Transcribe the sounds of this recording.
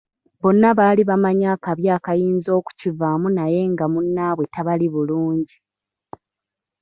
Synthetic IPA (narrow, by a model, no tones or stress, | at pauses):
bo̞nːaβaːliβamaɲaːkaβjaːkajiːnzo̞ːku̥civamunaje̞ŋɡamunːaːβwe̞taβaliβuluːɲɟi